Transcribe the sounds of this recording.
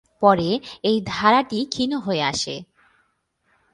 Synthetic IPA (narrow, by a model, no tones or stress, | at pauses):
pɔɾeejd̪ʱaɾaʈikʰinoɦoeaʃḛ